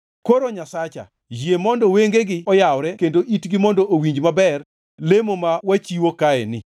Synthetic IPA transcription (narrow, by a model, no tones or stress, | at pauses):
koɾoɲasat͡ʃa̰ | d͡ʒjemɔndɔweŋɡeɡɪɔjawɾɛkendoʔitɡɪmɔndɔʔowiɲd͡ʒmabɛr | lemomawat͡ʃiwokaɛnɪ̰